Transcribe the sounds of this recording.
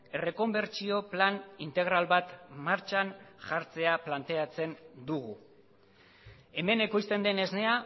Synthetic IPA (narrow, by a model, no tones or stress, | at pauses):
e̞re̞ko̞mbe̞ɾt͡ʃio̞planint̪e̞ɣ̞ɾalβat̪maɾt͡ʃanʝaɾt͡se̞aplant̪e̞at͡se̞nd̪uɣ̞u | e̞me̞nekust̪e̞nd̪e̞ne̞zne̞a